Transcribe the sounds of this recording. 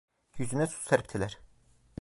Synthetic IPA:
jyzynɛsu̥sæɾp̚t̪ʰilʲæɾ̥

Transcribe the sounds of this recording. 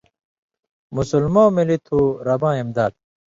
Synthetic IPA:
musulmãːmilit̪ʰuɾɐbãːimd̪aːd̪̚

